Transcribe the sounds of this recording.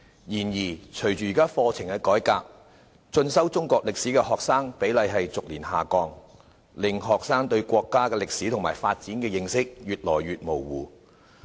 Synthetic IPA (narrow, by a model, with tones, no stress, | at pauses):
jiː˨˩njiː˨˩t͡ʃʰɵ˨˩ɥt͡ʃyː˨i˨˩kaː˥fɔː˧t͡sʰɪ˨˩ŋkɛː˧kɔː˨˥jkaː˧p̚ | t͡sɵ˧nsɐ˥wt͡sʊ˥ŋkʷɔː˧k̚lɪ˨k̚siː˨˥kɛː˧hɔː˨k̚saː˥ŋpe˨˥jlɐ˨˧jɦɐ˨jt͡sʊ˨k̚liː˨˩nhaː˨kɔː˧ŋ | lɪ˨ŋɦɔː˨k̚saː˥ŋt̪ɵ˧ɥkʷɔː˧kːaː˥kɛː˧lɪ˨k̚siː˨˥t̪ʰʊ˨˩ŋmaː˨˩jfaː˧t̚t͡siː˨˥nkɛː˧jɪ˧ŋsɪ˥k̚ɥyː˨t̚lɔː˨˩jɥyː˨t̚mo˨˩wwuː˨˩